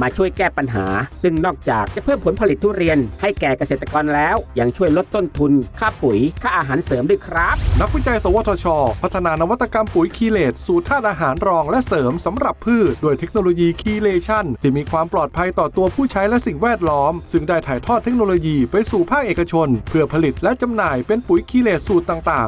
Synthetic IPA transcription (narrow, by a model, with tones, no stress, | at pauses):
maː˧t͡ɕʰu˥˩əjkɛː˥˩pa˧nɦa̰ː˩˦sɯ˥˩ŋnɔː˥˩k̚t͡ɕa̰ː˨˩k̚t͡ɕa˨˩pʰɤː˥˩mpʰo˩˦npʰa˧li˨˩t̪ʰːuː˥˩ɾi˧ənha˥˩jkɛː˨˩ka˧seː˨˩t̪ːa˧kɔː˧nlɛː˦˥wja˧ŋt͡ɕʰu˥˩əjlo˦˥t̪ːo˥˩nt̪ʰu˧nkʰaː˥˩pu˩˦jkʰaː˥˩ʔaː˧ɦaː˩˦nsɤː˩˦mdu˥˩jkʰɾaː˦˥p̚na˦˥k̚wi˦˥˩t͡ɕa˧jsa˨˩˦waː˧t̪ʰɔː˧t͡ɕʰɔː˧pʰa˦˥t̪ʰːa˧naː˧na˧wa˦˥t̪ːa˧ka˧mpu˩˦jkʰiː˧leː˨˩t̪̚suː˨˩t̪ʰːaː˥˩t̪̚ʔaː˧ɦaː˩˦nɾɔː˧ŋlɛ˦˥ʔsɤː˩˦msa˩˦mɾa˨˩pʰːɯː˥˩t̪̚doː˧jt̪ʰe˦˥k̚noː˧loː˧jiː˧kʰiː˧leː˧t͡ɕʰa˥˩nt̪ʰiː˥˩miː˧kʰwaː˧mplɔː˨˩t̪̚pʰa˧jt̪ɔː˨˩t̪u˧ɐpʰuː˥˩t͡ɕʰa˦˥jlɛ˦˥ʔsi˨˩ŋwɛː˥˩t̪̚lɔː˦˥msɯ˥˩ŋdaː˥˩jt̪ʰaː˨˩jt̪ʰɔː˥˩t̪ʰːe˦˥k̚noː˧loː˧jiː˧pa˧jsuː˨˩pʰaː˥˩k̚ʔeː˨˩ka˧t͡ɕʰo˧npʰɯ˥˩ɐpʰa˧li˨˩t̪̚lɛ˦˥ʔt͡ɕa˧mnaː˨˩jpe˧npu˨˩˦jkʰiː˧leː˨˩t̪̚suː˨˩t̪ːaː˨˩ŋt̪aː˨˩ŋ